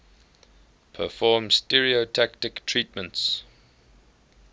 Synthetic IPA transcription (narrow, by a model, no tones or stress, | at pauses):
pʰəfɔːmstɛɹiotʰaktɪktʰɹitmə̃nts